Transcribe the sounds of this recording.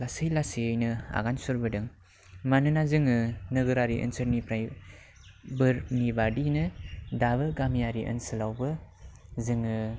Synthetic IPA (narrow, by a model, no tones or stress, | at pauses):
lasɯjlasijɯjnɯa̰ɡansuɾbɯdɯŋ | manɯnazɯŋɯnɯɡɯɾaɾiʔɯ̰nsɯɾnipɾaj | bɯɾnibadinɯdaβɯɡamijaɾiʔɯ̰nsɯlawbɯ | zɯŋɯ